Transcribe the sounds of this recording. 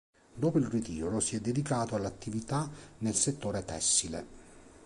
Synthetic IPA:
d̪oːpoilrit̪iːɾʊsiɛd̪ːed̪ikaːt̪oalːat̪ːivit̪anelset̪ːoːɾet̪ɛ̰sːilḛ

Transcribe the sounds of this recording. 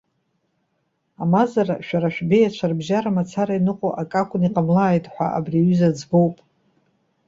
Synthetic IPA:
amazara̰ʃᶣaɾaʃᶣbejat͡ʃʷʰarbʒaɾamat͡sʰaɾainɨqʼoʔakʼakʷʰʼʊniqʼamlaːjtʼħʷa̰ʔa̰briɥyzad͡zɡo̞wpʼ

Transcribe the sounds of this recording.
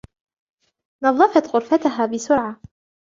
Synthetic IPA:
nɑðˤːɑfɑt̪ɣʊɾfat̪ʊɦaːbɪsʊɾʕa

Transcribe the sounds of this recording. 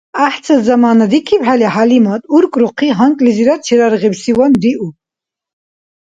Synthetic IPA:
aħt͡sʰazamaːnad̪ikʰipħaliħalimat̪ʼuɾkʼɾuqʰiɦaŋkʼliziɾat͡ʃʰiɾaɾʁɛbsiwand̪iʔu

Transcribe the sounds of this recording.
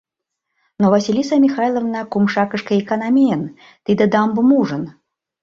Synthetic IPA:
nɔvɐsʲilʲisɐmʲixajlˠɐvnakumʂakɨʂkɐikɐnamʲeɛn | t̪ɨd̪ɐd̪ambɨmuʐɨn

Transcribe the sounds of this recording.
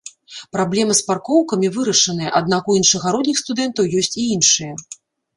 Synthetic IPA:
pɾablʲɛmɨsparkɔwkɐmʲivɨɾɐʂɐnɨjɐʔad̪nakujinʂɐɣaɾɔd̪nʲixst̪ud̪ɛnt̪ɐwjɔsʲt͡sʲiinʂɨjɐ

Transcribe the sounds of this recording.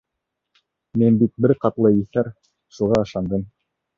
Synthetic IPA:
minbit̪̚bɘɾqɑt̪lˠɤiθæɾ | ʃuʁɑɤ̆ʃɑnd̪ɤm

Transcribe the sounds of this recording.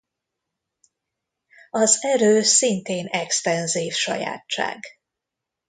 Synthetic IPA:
ɒzɛɾøːsint̪eːnɛkst̪ɛnziːfʃɒ̰ja̰ːtt͡ʃːa̰ːɡ

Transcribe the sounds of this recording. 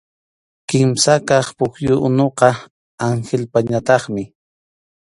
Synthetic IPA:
kɪmsakɑχpʊkjʊʔʊnoqɑ | aŋxelpaɲat̪ɑχmɪ

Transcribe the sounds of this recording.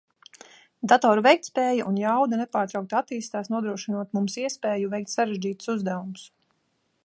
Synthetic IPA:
d̪at̪ɔːɾuvɛjk̚t̪ʲspɛːjaʔunjawd̪anɛpaːɾt̪ɾɑwk̚t̪at̪ːiːst̪aːsnuɔd̪ɾuɔʃinuɔt̪mumsiɛspɛːjuvɛjk̚t̪ʲsaɾeʒd͡ʒiːt̪u̥suzd̪æʋums

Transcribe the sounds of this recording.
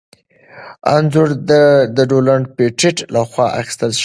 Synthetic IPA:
a̰nzʊɾd̪d̪əɖolaɳɖpeʈɪʈlaxwɑʔa̰xi̥st̪əlʃ

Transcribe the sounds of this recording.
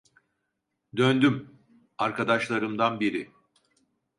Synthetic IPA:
d̪ønd̪ym | aɾkʰad̪aʃlˠaɾɯmd̪anbiɾɪ

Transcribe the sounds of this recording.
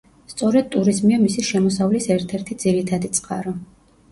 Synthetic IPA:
st̪sʼɔɾɛd̪̚t̪ʼuɾizmiamisiʃɛmɔsavlisɛɾt̪ʰɛɾt̪ʰid̪ziɾit̪ʰad̪it̪sʼqʼa̰ɾɔ

